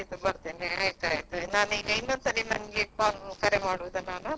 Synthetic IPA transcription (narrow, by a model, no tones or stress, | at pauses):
jit̪ubɐɾt̪eːneajt̪a̰ːjt̪unaːniːɡɐinːond̪sɐɾinɐniʈ̚paːnkɐɾemaːɽuʋd̪ɐnaːnu